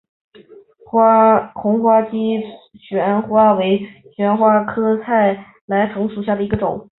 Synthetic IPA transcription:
xʊ˧˥ŋxwa˥t͡ɕi˥ | ɕɥɛ˧˥nxwa˥we˧˥ɪɕɥɛ˧˥nxwa˥kʰɤ˥t͡sʰa˥˩ɪ | la˧˥ɪt͡sʰɤ˧˥ŋʂu˨˩ɕ̬ja˥˩d̪ə˩i˧˥ɡə˧ʈ͡ʂʊ̰˨˩˦ŋ

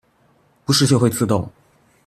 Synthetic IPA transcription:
pu˧˥ʂɻ̩˥˧t͡ɕjxwe˥˧ɪt͡sʰɹ̩˥˧t̪ʊ˥˩ŋ

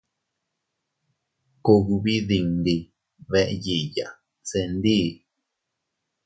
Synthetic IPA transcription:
ku˧ɦu˧βi˦ði˧ŋdi˧ | βe˧ʔe˧ji˨ja˨ | se˧nd̪iː˦

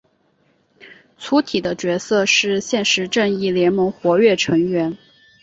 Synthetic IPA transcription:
t͡sʰu˧˥t̪ʰi˨˩d̪ə˦t͡ɕɥɛ˧˥sɤ˥˧ʂɻ̩˥˧ɕjɛ˥˩nʂɻ̩˧˥ʈ͡ʂɤ˥˧ŋi˥˩ljɛ˧˥nmɤ˧˥ŋxwɔ˧˥ɥɛ˥˩ʈ͡ʂʰɤ˧˥ŋɥɛ˧˥n

